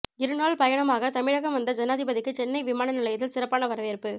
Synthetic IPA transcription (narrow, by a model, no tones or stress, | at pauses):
ɪɾɯnaːɭpɐjɐɳɐmaːɣɐt̪ɐmɪɻɐɣɐmʋɐnd̪ɐd͡ʒɐnaːðɪbɐðɪkːɯt͡ʃɛnːɐɪʋɪmaːnɐnɪlɐjɐt̪ɪlsɪrɐpːaːnɐʋɐɾɐʋɪɾɯpːɯ